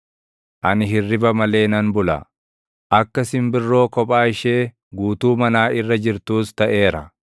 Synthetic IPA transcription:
ʔɐnɪɦɪrːɪbɐmɐle̞ːnɐnbʊlɐ̰ | ʔɐkːɐsɪmbɪrːo̞ːkɔpʼaːɪʃe̞ː | ɡuːt̪uːmɐnaːɪrːɐd͡ʒɪɾt̪uːst̪ɐʔe̞ːɾɐ

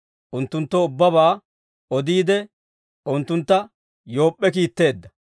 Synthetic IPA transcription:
ʔʊnt̪ːʊnt̪ːɔʊbːɐbaː | ɔd̪iːd̪ɛ | ʊnt̪ːʊnt̪ːɐ | jo̞ːpʼːɛkiːt̪ːe̞ːd̪ːɐ

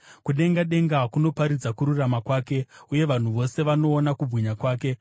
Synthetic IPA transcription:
kuɗe̞ŋɡaɗe̞ŋɡakuno̞paɾid͡zakuɾuramakwaːke̞uje̞ʋan̤uʋo̞se̞ʋano̞ːnakubwiɲakwaːke̞

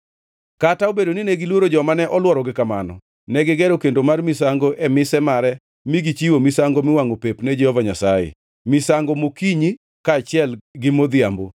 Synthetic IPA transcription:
kataobedoninɛɡɪlwoɾod͡ʒɔmanɛʔɔlwɔɾɔɡɪkamanɔ̰ | nɛɡɪɡɛɾokendomarmisaŋɡoʔɛmɪsɛmaɾɛ | miɡit͡ʃiwomɪsaŋɡomɪwaŋopepnɛd͡ʒɛhɔvaɲasajḛ | mɪsaŋɡomokiɲi | kaːt͡ʃɪɛlɡɪmod̪jambo

